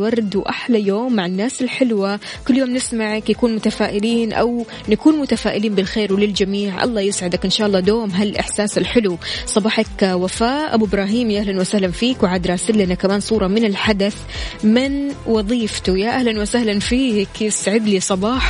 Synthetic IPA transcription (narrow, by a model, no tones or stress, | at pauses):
wɑɾˤd̪wʔaħlajoːmːaʕɪnːaːsɪlħɪlwa | kʊlːjoːmnɪsmaʕakjakuːnmʊt̪afaːʔɪliːnʔa̰w | nakuːnmʊt̪afaːʔɪliːnbɪlxeːɾwɪlɪld͡ʒamiːʕʔɑ̰lˤːɑːjɪsʕɪd̪akʔɪnʃaːʔɑlˤːɑːd̪oːmɦalʔɪ̰ħsaːsɪlħɪlusˤɑbɑːħakwafaːʔa̰buɪbɾˤɑːɦiːmjaʔahlanwasahlanfiːkwʕaːd̪ɾˤaːsɪlːʔnakamaːnsˤuːɾˤɑmɪnɪlħad̪aθ | mɪnwɑðˤiːft̪ujaʔahlanwasahlanfiːkjɪsʕɪd̪lisˤɑbɑːħ